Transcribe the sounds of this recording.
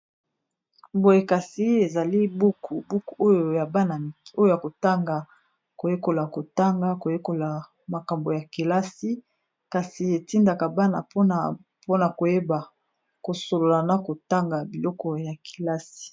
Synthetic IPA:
bo˨je˨ka˨si˦e˨za˨li˦bu˦kʰu˨bu˦ku˨o˦jo˨ja˨ba˦na˨o˦jo˦˨ja˨ko˨ta˦ŋɡa˨ | ko˨je˦ko˨la˨ko˨ta˦ŋɡa˦ko˨je˦ko˨la˨ | ma˨ka˨mbo˨ja˨ki˨la˦si˦ | ka˨si˨e˨ti˦nda˨ka˨ba˦na̰˨po˦˨ | po˦na˨ko˨je˦ba˨ | ko˨so˨lo˨la˨na˨ko˨ta˦ŋɡa˨bi˨lɔ˦kɔ˨ja˨kʰi̥˨la˦si̥˨

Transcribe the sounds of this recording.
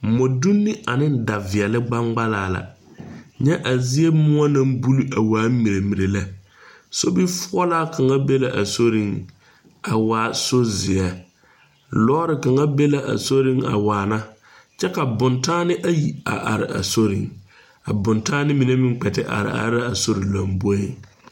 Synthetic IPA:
mɔ˨du˦nːɪ˦ʔa˨nɪ˦nda˨vɪ˨ɛ˨lɪ˦ɡ͡ba˦ŋɡ͡ba˦laː˦˨la̰˨ | ɲɛ˦ʔa˨zɪ˦e˦mʊ˦a˦nã˦mbu˦li˦a˨waː˨˦mi˨ɾe˨mi˨ɾe˨la˦ | so˦bi˦fʊ˦ɔ˦la˦kʰa˨ŋa˦be˦la˨ʔa˨so˦ɾi˦ŋ | a˨waː˨˦˨so˦zɪ˨ɛ˨ | lɔː˦ɾɪ˨ka˨ŋa˦be˦la˦ʔa̰˨so˦ɾɪ˦ŋa̰˨waː˨na˦ | t͡ʃɛ˦ka˨bʊ˨ntaː˦nɪ˦ʔa˦ji˨a̰˨ʔa̰˨ɾɪ̰˨a̰˨so˦ɾɪ̰˨ŋ | a˨bʊ̃˨ntaː˦nɪ˦mi˨ne˦mɪ̃˦ŋ˦k͡pɛ˨tɪ˨ʔa̰˨ɾɪ̰˨a̰˨ɾɪ˦a˦a˨so˦ɾɪ˨la˨mbɔ˦e˦

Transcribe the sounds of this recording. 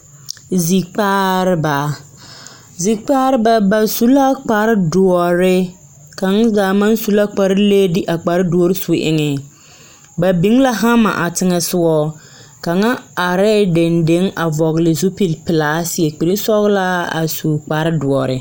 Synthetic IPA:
zi˨k͡paː˦ɾɪ˦ba˨ | zi˨k͡pa˦ɾɪ˦ba˨ba˨su˦la˦k͡pa˨ɾɪ˦dʊ˨ɔ˨ɾɪ˦ | ka˨ŋ˦zaː˨ma˦nsu˨la˦k͡pa˨ɾɪ˦leː˦dɪ˦ʔa˨k͡pa˨ɾɪ˦du˨ɔ˦ɾɪ˦su˨ʔɪ̰˨ŋɛ˨ | ba˨bi˨˦ŋ˦la˦ɦa˦ma̰˨ʔa˨tɪ˦ŋɛ˨sʊ˦wɔ˦ | ka˨ŋa˦a˨ɾɛː˦˨de˨nde˦ŋa˨vɔ˨ɣlɪ˨zu˦pi˨lpɪ˨laː˨˦sɪ˦ɛ˨k͡pi˨ɾi˦sɔ˦ɣla˦a̰˨su˨k͡pa˨ɾɪ˦dʊ˨ɔ˨ɾɪ˨

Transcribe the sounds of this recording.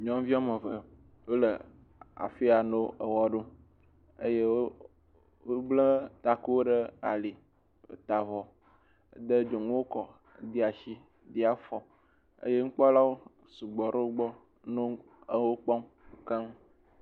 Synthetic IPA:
ɲɔ̃˦m˦vi˦a˦mə˨və˨ | wo˦lə˨ | a̰˨fi˦a˨no˦ə˨wɔ˦ɖo˦ | e˦je˦wo˦ | wo˦blə˦t̪a˨ku˦wo˦ɖə˦a̰˨li˨ | o̰˨t̪a˨vɔ˨˦ | d̪ə˦d͡ʒo˨ŋũ˦wo˦kɔ˨ | d̪i˦a˨ʃi˦ | d̪i˦a˦fɔ˨ | ə̰˦je˦ŋ̩˦k͡pɔ˦la˦wo˦ | su˨ɡ͡bɔ˨ɖe˦wo˦ɡ͡bɔ˦ | nõ˦ | wo˦k͡pɔ˦m˦ | ka˦m˦

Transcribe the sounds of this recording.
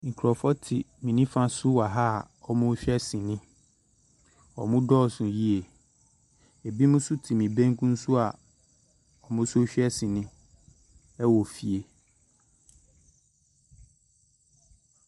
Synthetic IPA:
ŋ̩˨kʰɾɔ˨fɔ˦tʰɪ̰˨mĩ˨nĩ˦fã˦sʊ˦wa˨ɦa˦˨ | ɔ˦mʊ̃˦ɕᶣɛ˦sĩ˨nɪ̃˦ | ɔ̰˨mʊ̃˦dɔː˦˨sʊ̃˨ji˦e˨ | e˨bi˦mũ˦sʊ˦tʰi˨mĩ˨bẽ˦ŋkũ˦n̩˦sʊ˦a˨ | ɔ˨mʊ̃˦sʊ˦o˦ɕᶣɛ˦sĩ˨nɪ̃˦ | ɛ˦wɔ˨fi˨e˨

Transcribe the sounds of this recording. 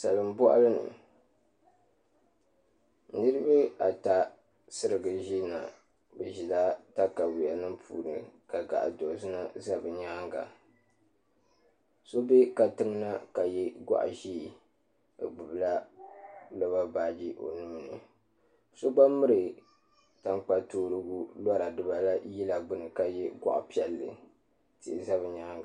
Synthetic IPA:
sa˨lɨ˨mbɔ˦ʔlɨ˦nɨ̰˨ | nɨ˦ɾɨ˦bɨ˦a˨ta˦ | sɨ˦ɾɨ˨ɡɨ˨ʒi˦na̰˨ | bɨ˨ʒi˨la˦ta˦ka˨wi˨a˨nɨ˦mpʰṵː˨nɨ˨ka˨ɡa̰˨ʔa̰˨do˨zɨ˦na˦za˦bɨ˨ɲaː˦ŋɡa̰˨ | so˦be˦ka˨tɨ˦ŋ˦na˦ka˨jɛ˦ɡʷa̰˦ʔʒiː˦˨ | ɡ͡bɨ˨bɨ˨la˦ | lɨ˦ba˦baː˦˨d͡ʒi˦ʔo˨nuː˦nɨ˨ | so˦ɡ͡ba˦mɨ˦ɾɨ˨ | ta˨ŋk͡pa˦toː˦˨ɾɨ˦ɡu˦la˦ɾa˨dɨ˦ba˨la˦ji˦la˨ɡ͡bɨ˦nɨ˨ka˨jɛ˦ɡa̰˦ʔa̰˨pi˦ɛ˨lːɨ̰˨ | tɪ˨ʔɪ˨za˦bɨ˨ɲaː˦ŋɡa˨

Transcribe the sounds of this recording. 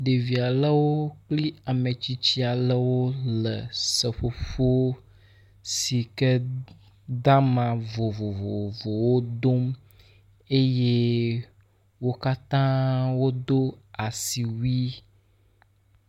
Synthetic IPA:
ɖe˨vi˨a˨lə˦wo˦k͡pli˦a˨mẽ˨t͡ɕi˦t͡ɕi˦a˨lə˦wo˦lə̰˨sə˨ɸo˦ɸo˦ | si˨kə˦ | d̪a˦mã˨vo˨vo˨vo˨vo˨wo˦d̪o˦m | e˦je˦ | wo˦ka˦t̪ã˦wo˦d̪o˦a˨si˨wi˦

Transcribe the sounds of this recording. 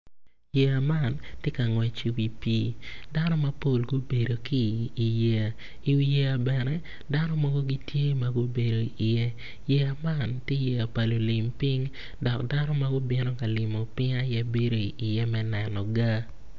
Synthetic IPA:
je˦a˨ma˦˨ntje˦ka˨ŋwɛ˨t͡ʃi˨˦wi˦pi˦da˦nɔ˦mɐ˦po˦˨lɡo˦be˨do˨kiː˦˨je˦a˨ | i˨wi˦je˦a˨bɛ˨nɛ˦ | da˦nɔ˦mɔ˦ɡo˦ɡi˦tje˦ma˨ɡo˦be˨do˨i˨ʔɪ˨je˦ | je˨a˨ma˦˨ntje˦je˨a˨pa˨lo˨lɪ˨mpɪ˦ŋ | dɔ˨kda˦nɔ˦ma˦ɡʊ˦bɪ˦no˦ka˨lɪ˨mo˨pɪ˦ŋa˦ja˦be˦ɾo˦i˨ʔɪ˨jɛ˦mɛ˦nɛ˨nɔ˨ɡa˦

